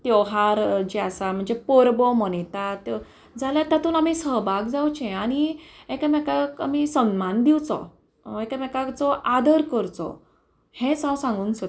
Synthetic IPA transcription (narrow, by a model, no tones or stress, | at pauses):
t̪jɔwɦaɾd͡ʑiasam̤əɳd͡zepoɾbɔmɔnet̪at̪ | d͡zʱaljat̪at̪ʰuːnamisəɦbaɡd͡zawt͡ɕɛ̃aɽ̃iekamɛkaka̰misəmmand̪iwt͡sɔ̰ | ekamɛkakt͡sɔʔad̪əɾkəɾt͡sɔ̰ | hẽsãwsãŋɡuːnsət̪